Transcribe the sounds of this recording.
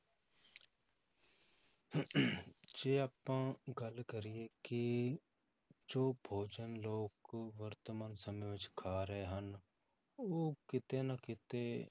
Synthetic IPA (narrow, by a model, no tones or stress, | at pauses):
d͡ʒeːaːpãːɡəlkəɾɪeːkɪ | d͡ʒoːbʱoːd͡ʒənloːkʋəɾt̪maːnsəmẽːʋɪt͡ʃkʰaːɾəɦeːɦən | oːkɪt̪eːnakɪt̪eː